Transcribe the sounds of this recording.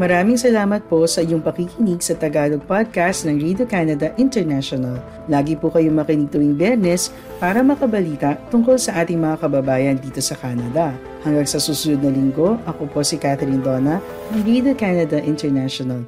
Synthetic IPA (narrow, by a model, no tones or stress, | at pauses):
mɐɾaːmɪŋsɐlaːmɐt̪̚po̞sɐʔɪjoŋpɐkikɪniɡsɐt̪ɐɡaːloɡ̚pad̪̚kast̪nɐŋɹid̪okaːnɐd̪ɐʔɪnt̪ɛɹnaʃonɐlː | aːɡipukɐjoŋmɐkɪniɡ̚t̪ʊwiŋbjɛɾnɛs | paːɾɐmɐkɐbɐliːt̪ɐʔt̪ʊŋkolsɐʔaːt̪ɪŋmɐŋakɐbɐbaːjɐnd̪iːt̪o̞sɐkanɐd̪ɐ | hɐŋɡɐŋsɐsuːsʊnod̪̚nɐlɪŋɡo̞ʔɐkopo̞sikat̪ɛɾind̪oːnɐ | nɐŋɹid̪okanɐd̪ɐʔɪnt̪ɛɹnaʃonɐl